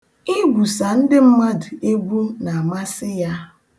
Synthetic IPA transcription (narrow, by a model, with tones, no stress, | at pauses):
i˦ɡʷu˨sa˨n̩˦dɪ˦m̩˦ma˦dɪ˨e˦ɡʷu˦na˨ma˦sɪ˦ja˦